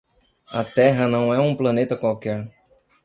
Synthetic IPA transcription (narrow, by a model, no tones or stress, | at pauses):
ɐ̰t̪ɛɦɐnɐ̃w̃ɛũplɐnet̪ɐkwawkɛɾ